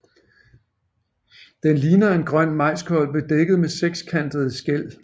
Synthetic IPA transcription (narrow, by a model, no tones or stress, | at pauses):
d̥enliːnɐe̝nɡ̥ʁɶn̰mɑ̈ɪ̰skʰɒ̽l̰b̥əd̥eɡ̥əð̩ˠmeseɡ̥skʰæn̰d̥əð̞̩ˠsɡ̥el̰